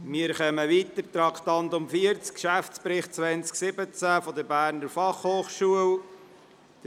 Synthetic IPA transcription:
miəɾχœməʋiːt̪əɾt̪ɾɑkχt̪ɑnt̪ʊmfiəɾt͡skkʃæfspɾɪχt̚t͡sʋɛnt͡sksɪbət͡sæfɔd̪əɾbæːɾnəɾfɑχhoːχʃuəw | d̥̪ə

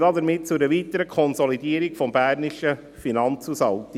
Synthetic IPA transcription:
dɑd̪əɾmɪt̚t͡sʊdɛʋitəɾəkʰɔnsɔlidiːəɾikfɔmbæːɾnɪʃə | finɑnt͡susɑlt̪

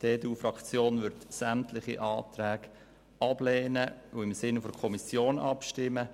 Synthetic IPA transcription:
d̥eːduːfɾɑkt͡sjoːnvʏɾtsæmtlɪχḭʔɑːt̪ɾæːɡ | ɑb̥lɛːnəuɪmsɪnfɔɾkʰɔmisjoːnɑpʃtɪmə

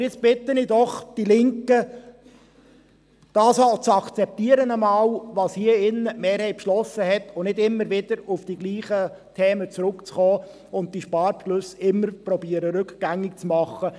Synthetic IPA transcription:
ɪt͡sb̥ɪt̪ənidɔχd̥ilɪŋkə | d̥ɑːsɑlt͡sɑkt͡sɛp̚t̪iːəɾənəmɑːlʋɑːshiəɪnːəmeːɾhɛɪpʃlɔsːəhɛt̪ʰʊnɪdɪmːəɾvɪd̥̪əɾʊfd̥iɡ̥liːχə | t̪ʰɛːmət͡sɾʊkt͡sχɔː | ʊnt̚d̥iʃpɑːɾpʃlʉsɪmːəɾprɔbiəɾəɾʉkɡ̥æŋɪkt͡smɑχːə

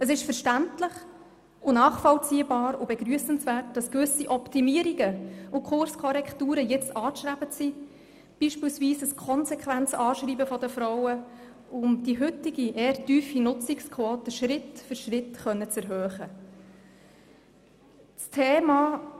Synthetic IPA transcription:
əs̬ɪʃfəɾʃtæntləχ | ʊnɑːχfɔlt͡siːəbɑːɾʊbɛɡɾyəsənsvæːrt̚d̥ɑskvʏsiʔɔptimiːəɾiɡəʊkʰʊɾskʰɔɾɛkχtuːɾəjɛt͡stɑːʃɾæbət͡si | b̥iʃpiːlsviːsəskʰɔnsɛkʰʋænt͡sɑːʃɾiːbəfɔdəfɾɔwə | ʊmd̥iɦʏtɪɡiʔeːəɾtyːfinʊt͡sɪkskʰʋoːtəʃɾɪtfʏɾʃrɪtχœnːət͡sɛɾɦœːχə | t͡stʰeːmɑː

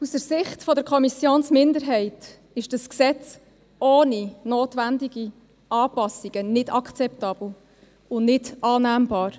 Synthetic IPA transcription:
usəɾsɪχtfɔdəɾkʰɔmisjoːnsmɪndəɾɦɛɪt | ɪʃd̥ɑsksɛt͡s | oːninoːtʋændiɡ̥i | ɑːpɑsiɡ̥ənɪdɑkt͡sɛptɑːb̥l̩ | ʊnnɪdɑːnæːmbɑːɾ

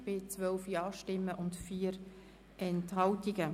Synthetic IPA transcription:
b̥ɪt͡sʋœlfjɑːʃtɪmːəʔʊntfiːəɾ | ʔɛnthɑltiɡə

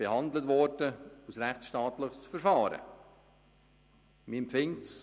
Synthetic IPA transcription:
b̥ehɑnd̪lətvɔɾdəusɾæχt͡ssʃtɑːt̪ləχsfəɾfɑːɾə̰ | miɛmpfɪŋts

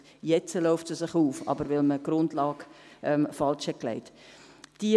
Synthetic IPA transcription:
jɛt͡səlɔʊftsəsɪχuːfɑ̰bəɾʋɪlməɡ̥ɾʊndlɑːkʔɛmfɑlʃhɛt̚klɛ̰ɪt | d̥i

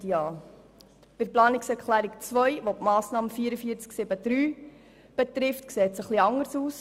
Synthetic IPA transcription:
jɑː | pɪɾplɑːnɪksɛɾkχlæːɾikt͡sʋœjʋopmɑːsnɑːməfiːɾəfiːəɾt͡sksɪbəd̥ɾyː | b̥ɛtɾɪftkseːtsəχliɑŋəɾsuːs

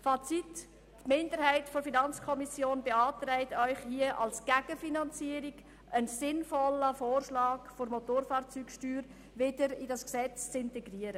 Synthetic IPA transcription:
fɑt͡sitː | mɪndəɾhæɪtfɔɾfinɑnt͡skʰɔmisjoːnbeɑːtɾɛɪtœʏχhiəʔɑ̰lsɡ̥æɡ̥əfinɑnt͡siəɾɪɡ | ʔənsɪnfɔləfoːrʃlɑːɡfoɾmɔtoːɾfɑːɾt͡syːkʃtyːɾ | vɪdəɾidɑsksɛt͡st͡sɪntɛɡɾiəɾə

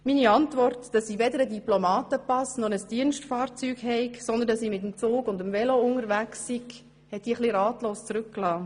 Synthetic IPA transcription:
miniɑntʋɔrtd̥ɑsiːʋɛdəɾədiplɔmɑːtəpɑsnɔnəsd̥iənsʃtfɑːɾt͡syːkhɛɪksɔnd̪əndɑsiːmɪt̪əmt͡soːɡʊndəmvɛloʊŋəɾvæksːiɡ | hɛt̚d̥iːχliɾɑːtloːst͡sɾʉkklɑː

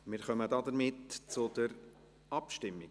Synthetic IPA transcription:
mɪːɾχœmədɑdəɾmɪtt͡sʊd̥əɾ | ɑpʃtɪmːi

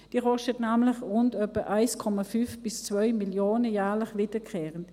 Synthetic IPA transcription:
d̥iːʁɔʃətnaːmlɪχʁʊndœpəʔaɪskʰɔmafyfb̥ɪst͡svœʏmiljoːnəjaːʁlɪχvɪdəkʰɛːʁənt

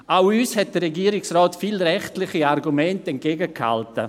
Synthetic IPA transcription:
awyːshɛt̚d̥əɾeɡiːəɾɪksrɔːtfiːlɾɛχtlɪχiarɡumɛntɛnt̚ɡ̥eːɡəkha̰ltə

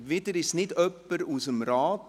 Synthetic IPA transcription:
vɪdəɾɪsnɪdœpːəɾusəmɾɑːt

